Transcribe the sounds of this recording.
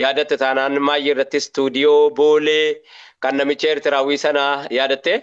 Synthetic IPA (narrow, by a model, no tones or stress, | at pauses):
jaːd̪ɐt̪ːɛt̪aːnaːnmaːjːɪrːɐt̪ːɪst̪uːd̪ɪjoːbo̞ːleːkɐnːɐmɪt͡ʃːɛɛɾt̪ɪɾaːwiːsɐnaːjaːd̪ɐt̪ːe